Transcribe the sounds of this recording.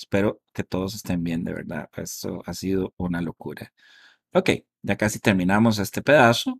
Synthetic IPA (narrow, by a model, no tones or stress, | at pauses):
spe̞ɾoke̞t̪o̞ð̞o̞s̬e̞st̪e̞mbje̞nd̪e̞̰βḛɾða̰ḛst̪o̰asiðo̞unalo̞kuɾa̰ | oke̞̰j | ɟ͡ʝakasit̪e̞ɾmĩnamos̬e̞st̪e̞pe̞ðaso